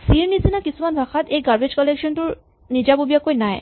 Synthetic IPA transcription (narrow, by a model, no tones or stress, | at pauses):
siɹnisinakisumanbʱaxat̪ejɡaɹbed͡ʑkɔlekʃɔntuɹ | nid͡ʑabobijakojnaj